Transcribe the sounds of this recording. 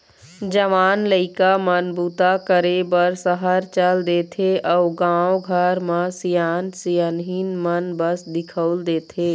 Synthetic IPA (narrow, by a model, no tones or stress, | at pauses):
d͡ʒəʋaːnləɪkamənbuːt̪akəɾebəɾsəɦəɾt͡ʃəld̪eːt̪ʰeʔɔːɡãwɡʱəɾməsijaːnsijənɦinmənbəsd̪ɪkʰəʊld̪eːt̪eː